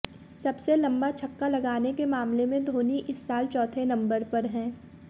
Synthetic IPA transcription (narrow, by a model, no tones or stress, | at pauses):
sɐbselɐ̃mbat͡ʃʰɐkːalɐɡaːnekemaːmlemẽd̪ʱoːniʔɪsːaːlt͡ʃɔːt̪ʰenɐ̃mbəɾpɐɾɦɛ̃ː